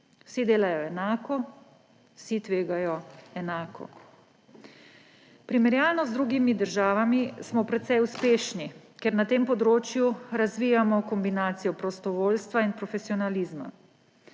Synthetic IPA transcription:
wsid̪eːlajɔɛnaːkɔ | wsit̪ʋeːɡajɔɛnaːkɔ̰ | pɾimɛɾjaːlnɔzd̪ɾuːɡimid̪əɾʒaːʋamismɔpɾɛt̪sɛjuspeːʃnikɛɾnat̪eːmpɔd̪ɾoːt͡ʃjuɾazʋiːjamɔkɔmbinaːt̪sijɔpɾɔst̪ɔʋoːlst̪ʋainpɾɔfesiɔnalizma̰

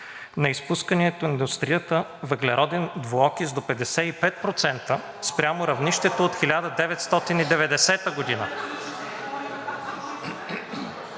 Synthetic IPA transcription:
nɐispuskəniɛt̪oind̪ust̪ɾijət̪əvəɡlɛɾɔd̪ɛnd̪voɔkizd̪opɛd̪ɛsɛipɛt̪̚pɾot̪sɛnt̪ə | spɾʲamoɾɐvniʃt̪ɛt̪oːt̪xilʲad̪əd̪ɛvɛt̪st̪ɔt̪inid̪ɛvɛd̪ɛsɛt̪əɡod̪inə

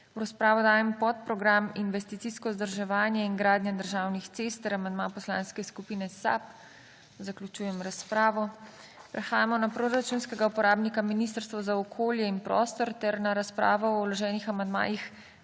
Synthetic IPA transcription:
wɾaspɾaːʋɔd̪aːjɛmpɔt̪pɾɔɡɾaminʋɛst̪it̪siskɔzd̪əɾʒɛʋaːnjɛiŋɡɾaːd̪njad̪əɾʒaːwnixt̪seːst̪əɾamand̪mapɔsla̰ːnskɛskupiːnɛsa̰p | zakljut͡ʃuːjɛmɾaspɾaːʋɔ | pɾɛxaːjamɔnapɾoɾat͡ʃunskɛɡaupɔɾaːbnikaminist̪əɾst̪ʋɔzaɔkʰoːljɛinpɾɔ̰ːst̪ɔɾt̪ɛɾnaɾaspɾa̰ːʋɔɔwlɔʒɛːnixamand̪ma̰ːjix

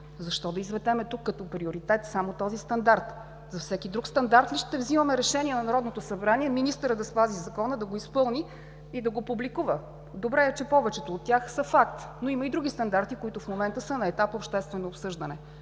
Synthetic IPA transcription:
zɐʃt̪ɔd̪ɐizvɛd̪ɛmɛt̪ukːət̪ɔpɾioɾit̪ɛt̪samot̪ɔzist̪ɐnd̪aɾt̪ | zɐfsɛkid̪ɾukst̪ɐnd̪aɾt̪liʃt̪t̪ɛvziməmɛɾɛʃɛnʲiɛnɐnɐɾɔd̪not̪osɐbɾaniɛminist̪əɾəd̪ɐspazizɐkɔnəd̪ɐɡoispɤlˠniː | d̪ɐɡopublikuvə | d̪obɾɛɛt͡ʃɛpɔvɛt͡ʃɛt̪oːt̪ːʲjaxsəfak̚t̪noiməid̪ɾuɡ̟ist̪ɐnd̪aɾt̪ikoit̪ʊfmomɛnt̪əsənɐɛt̪apopʃt̪ɛst̪vɛnoːpsɤʒd̪ənɛ

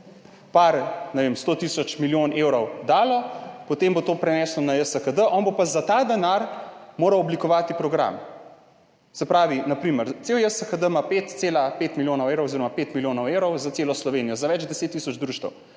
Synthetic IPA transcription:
paɾnɛʋemst̪oːt̪isɔt͡ʃmiljoːnewɾɔwd̪aːlɔpɔt̪embot̪oːpɾɛnɛːslɔnajəsəxəd̪əʔɔnbopazat̪aːd̪ɛnaɾmoːɾɐwɔblikɔʋaːt̪ipɾɔɡɾa̰m | sɛpɾaːʋinapɾiːməɾt̪sewjəsəxəd̪əmapet̪seːlapet̪miljoːnɔweɾowoziɾɔmapeːt̪miljoːnɔwewɾɔwzat̪seːlɔslɔʋeːnijɔzaʋɛd͡ʒd̪ɛseːt̪ːisɔd͡ʒd̪ɾuːʃt̪ɐ̰w

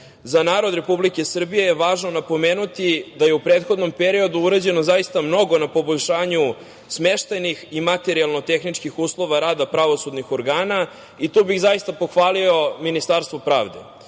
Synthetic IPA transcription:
zanaːɾod̪ɾe̞publikesr̩bije̞jeʋaːʒno̞napo̞me̞ːnut̪id̪aje̞upɾe̞ːt̪xo̞d̪no̞mpeɾio̞d̪uuɾed͡ʑe̞nozajist̪amno̞ɡo̞napo̞boʎʲʃaːɲu | smeʃt̪aniximat̪e̞ɾialˠno̞t̪e̞xnit͡ʂkixuːslˠo̞ʋaɾaːd̪apɾaʋo̞sud̪nixo̞ɾɡaːna | it̪ubiɣzaist̪apo̞xʋaːlio̞minist̪aːɾst̪vopɾa̰ːʋd̪ḛ

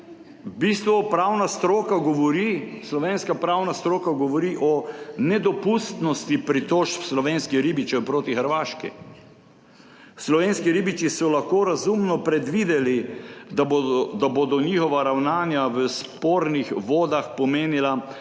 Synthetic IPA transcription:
bist̪ʋɔpɾaːwnast̪ɾoːkaɡɔʋɔɾislɔʋeːnskapɾawnast̪ɾoːkaɡɔʋɔɾiʔɔnɛd̪ɔpust̪nɔst̪ipɾit̪oːʃpslɔʋeːnskiɾibit͡ʃɛwpɾoːt̪ixəɾʋaːʃkḭ | slɔʋeːnskiɾibit͡ʃisɔlaxkoːɾazumnɔpɾɛd̪ʋid̪ɛli | d̪abod̪ɔnixɔʋaɾawnaːnjaʋəspoːɾnixʋoːd̪axpɔmeːnila

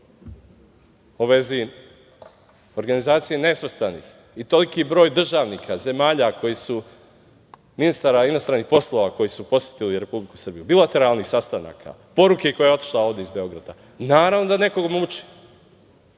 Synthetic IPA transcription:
oʋe̞zi | o̞ɾɡanizaːt̪sije̞ne̞sest̪anḭːx | it̪o̞likibɾo̞jd̪r̩ʒaːʋnikʰaze̞maːʎako̞jisu | minist̪aɾainost̪ɾanixpo̞slˠoʋako̞jisupo̞sʋet̪iliɾe̞publiku̥srbijubilˠat̪e̞ɾalnixsast̪ana̰kʰa̰po̞ɾukeko̞jeo̞t̪i̥ʃlˠao̞ːʋd̪eizbe̞o̞ɡɾad̪a̰ | naːɾaʋno̞d̪ane̞koɡomut͡ʃi̥

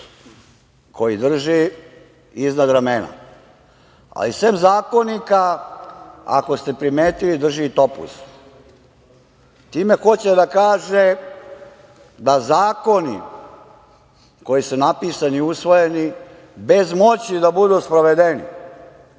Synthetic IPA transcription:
kʰo̞jid̪r̩ʒi | iznad̪ɾamena̰ | a̰lisemzaːko̞nika | a̰ko̞st̪e̞pɾimeːt̪ilid̪r̩ʒit̪o̞pṵs | t̪iːme̞xo̞t͡ɕed̪akaːʒe | d̪azaːko̞nḭ | ko̞jisunapiːsaniusʋo̞jeni | bezmo̞t͡ɕid̪abud̪uːspɾoʋed̪enḭ

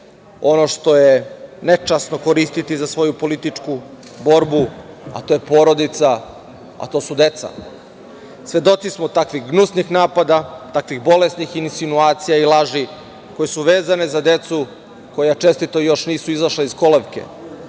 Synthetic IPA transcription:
o̞no̞ʂt̪o̞jenet͡ʃasno̞koɾist̪it̪izasʋo̞jupo̞lit̪it͡ʂku | bo̞ɾbu | a̰t̪o̞ːjepo̞ːɾo̞d̪it̪sa | a̰t̪o̞ːsud̪e̞t̪sa̰ | sʋe̞d̪o̞t̪sismot̪akʋiɣɡnusnixnaːpad̪at̪akʋixbo̞lesnixinsinuaːt̪sijailaʒi | ko̞jesuʋe̞ːzane̞zad̪e̞t̪su | ko̞jat͡ʃe̞st̪it̪ojo̞ʃniːsuizaʃlaisko̞leʋke̞̰

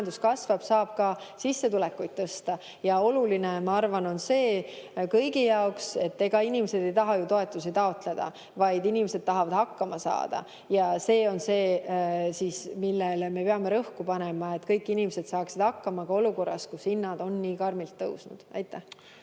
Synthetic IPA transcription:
ɑnd̪uskɑsvɑb̥sɑːb̥̚kɑsisːe̞t̪ulɛkːujd̪̥̚t̪ɤst̪ɑ | jɑo̞lulinemɑɑrvɑno̞nse̞ːkɤjɡijɑokse̞t̪ːe̞ɡ̥ɑinimese̞d̪̥e̞jt̪ɑɦɑjut̪o̞e̞t̪ːˑusit̪ɑo̞t̪ˑle̞d̪̥ɑ̰ | vɑjd̪inimese̞d̪̥̚t̪ɑɦɑvɑd̪hɑkːɑmɑsɑ̰ːd̪̥ɑ̰ | jɑse̞ːo̞nse̞ːsiːsmilːelme̞peɑme̞ɾɤhkupɑnemɑe̞t̪ːˑkɤjkˑːinimese̞d̪̥sɑːksid̪̥hɑkːɑmɑkɑoluko̞rːɑskushinːɑd̪̥o̞nːiːkɑrmilt̪ːɤwsnṵd̪̥ɑ̰jt̪ːˑæh

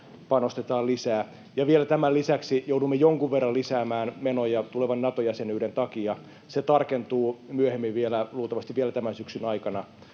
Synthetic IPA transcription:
pɑnost̪et̪ɑːlisæː | jɑʋielæt̪æmælisæksijoudumːejoŋkuʋʋerːɑlisæːmæːnmenojɑt̪uleʋɑnːɑt̪ojæsenyːɾent̪ɑkiɑ | set̪ɑrkent̪uːmyøhemːiʋʋielæluːt̪ɑʋɑst̪iʋielæt̪æmænsyksynɑikɑnɑ

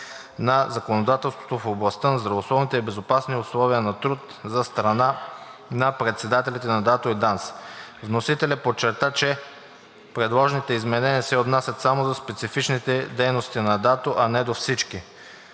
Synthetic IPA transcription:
nɐzɐkonod̪at̪ɛlˠst̪vot̪ofoblˠɐst̪ənɐzd̪ɾɐvoslˠɔvnit̪ɛibɛzopasniʊslˠɔviənɐt̪ɾut̪ | zɐst̪ɾɐnanɐpɾɛt̪sɛd̪at̪ɛlʲit̪ɛnɐd̪at̪oid̪ansvnosit̪ɛlʲəpot͡ʃːɛɾt̪at͡ʃɛ | pɾɛd̪lˠɔʒnit̪ɛizmɛnɛniəsɛot̪nasʲɐt̪samozɐspɛt̪sifit͡ʃnit̪ɛd̪ɛjnost̪inɐd̪at̪oʔɐnɛd̪ofsit͡ʃki

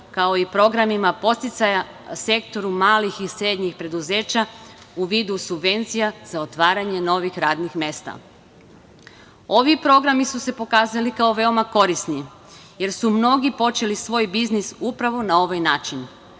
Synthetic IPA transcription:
kao̞ipɾo̞ɡɾamimapo̞st̪it̪saja | se̞kt̪o̞ɾumaːlixisɾe̞d̪ɲixpɾe̞d̪uze̞ːt͡ɕa | uʋiːd̪usubʋe̞nt̪sijazao̞t̪ʋaːɾaɲe̞no̞ʋixɾaːd̪nixmje̞st̪a̰ | o̞ʋipɾo̞ɡɾamisuse̞po̞kaːzalikao̞ʋe̞o̞mako̞ɾisni | je̞ɾsumno̞ɡipo̞t͡ʃe̞lisʋo̞ːjbiznisupɾaʋo̞nao̞ʋajnaːt͡ʃin

